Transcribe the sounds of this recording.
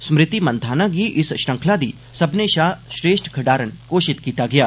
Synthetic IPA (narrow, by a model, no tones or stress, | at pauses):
smɾɪt̪imɐnd̪ʱaːnãɡiːʔɪsʃɾɐ̃ŋkʰlad̪iː | sɐbneʃaːʃɾeːʃʈkʰɐɖaːɾənkoːʃɪt̪kiːt̪aɡɪjaː